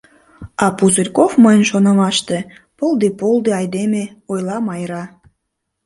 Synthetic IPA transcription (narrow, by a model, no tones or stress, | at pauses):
ɑpuzərʲkofməjənʃonɑmɑʃt̪e | pold̪epolˠd̪eɑjd̪emeojlɑmɑjɾɑ